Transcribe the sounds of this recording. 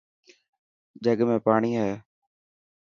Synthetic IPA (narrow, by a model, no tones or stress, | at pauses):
d͡ʒəɠmẽːpaːɳiːɦɛː